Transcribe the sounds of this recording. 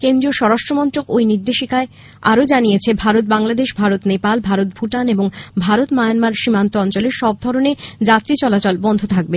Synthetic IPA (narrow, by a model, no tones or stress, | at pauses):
kend̪ɾioʃɔɾaʃʈɾomɔnt̪okojniɾd̪eʃikae | a̰ɾod͡ʑanijet͡ɕʰebʱaɾot̪̚baŋlad̪eʃbʱaɾot̪nepalbʱaɾot̪̚bʱuʈaneboŋbʱaɾot̪majanmaɾʃimant̪oɔnt͡ɕoleʃɔb̚d̪ʱɔɾoned͡ʑat̪ɾit͡ɕɔlat͡ɕolbɔnd̪ʱot̪ʰak̚be